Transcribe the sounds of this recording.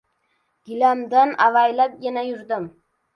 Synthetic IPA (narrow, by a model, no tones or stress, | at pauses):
ɡ̥ʲɪlamd̪anavajlap̚janajʊɾd̪ɪm